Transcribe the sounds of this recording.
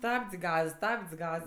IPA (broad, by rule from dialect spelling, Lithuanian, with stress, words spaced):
ˈstɐpʲt͡sʲ ˈɡɐs ˈstɐpʲt͡sʲ ˈɡɐs